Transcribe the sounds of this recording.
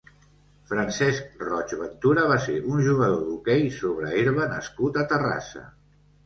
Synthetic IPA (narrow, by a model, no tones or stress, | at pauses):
fɾansɛsk̚rɔt͡ʃβənt̪uɾəβ̞asḛʔunʒuɣəðoðukɛjsoβɾəiɾβənəskut̪ət̪əra̰sə̰